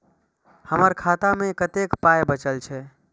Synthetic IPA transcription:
həməɾkʰat̪amẽkət̪ekpajbət͡ʃəlt͡ʃʰɛ

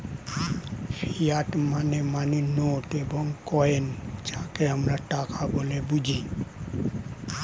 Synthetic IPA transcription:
pʰijaʈmanemaninoʈebɔŋkɔend͡ʒakeamɾaʈakabolebud͡ʒʱi

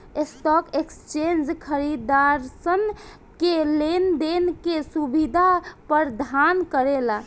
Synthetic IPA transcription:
esʈɔkekst͡ʃend͡ʒkʰəɾid̪aɾsən | kelend̪enkesubid̪ʱapəɾd̪ʱankəɾela

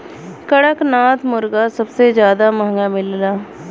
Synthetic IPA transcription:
kəɽəknaːt̪ʰmʊɾɡasɐbsed͡ʒjaːd̪amɐ̃ɦŋɡamɪllaː

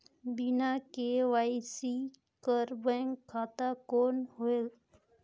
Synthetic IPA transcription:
bɪnakeʋaːisi | kəɾbɛ̃ŋɡkʰːaːt̪akoːnɦoe

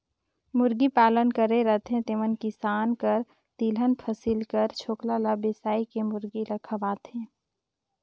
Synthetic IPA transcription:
mʊɾɡipaːlənkəɾeɾət̪ʰɦẽt̪eːʋənkisaːnkəɾ | t̪iːlənpʰəsilkəɾt͡ʃʰoːklalabesaːikemʊɾɡiɾəkʰəʋaːt̪ɦẽː

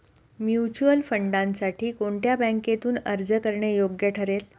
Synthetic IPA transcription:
mjut͡ɕuəlfəɳɖãnsaʈʰiːkoɳʈjabæ̃ŋket̪uːnə̰ɾd͡zəkəɾɳejoɡjəʈʰəɾel

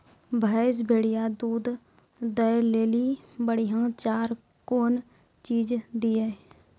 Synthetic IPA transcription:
bʱaːs̬bʱeːɽijad̪uːd̪ | d̪əjleːlibəɽiɦãːt͡ʃaːɾ | koːn | t͡ʃiːd͡ʒd̪iːe

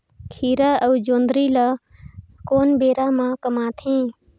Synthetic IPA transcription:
kʰiːɾaəud͡ʒoːnd̪ɾilə | koːnbeːɾamãkəmaːt̪ʰĩː

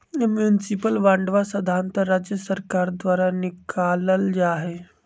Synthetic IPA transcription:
mjunɪsɪpəlʋãːɳɖʋasɐd̪ʱaːnt̪əɾaːd͡ʒjəsəɾkaːɾd̪ʋaːɾanɪkʰaːləld͡ʒaːɦeː

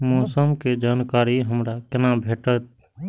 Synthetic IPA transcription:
mɔːsəmked͡ʒaːnkaːɾiɦəmɾakɪnabʱeːʈət̪̚

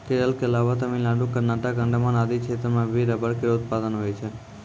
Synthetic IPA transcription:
keɾəlkeəlaʋat̪əmilaɖũkəɾnaʈəkəɳɖamãnad̪it͡ʃʰet̪ɾəmãbʋiɾəbəɾkeɾʊt̪̚pad̪ənɦojt͡ʃʰe

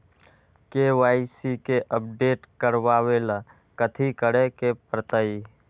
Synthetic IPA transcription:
kewaːisikeʔəp̚ɖeːʈkəɾwaːwela | kət̪ʰikəɽekepɾət̪əi

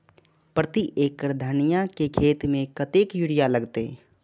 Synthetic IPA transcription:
pɾət̪iʔeːkːəɾd̪ʱənijakekʰeːt̪mẽkət̪eːkjuɽɪjaləɡt̪e

